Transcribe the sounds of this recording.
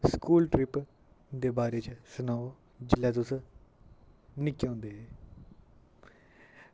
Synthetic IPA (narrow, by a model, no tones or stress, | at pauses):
skuːlʈɾɪp | d̪eːbaːɾeːt͡ʃsənaːo | d͡ʒɪlːɛːt̪̬ʊs | nɪkːõːnd̪eːɦeː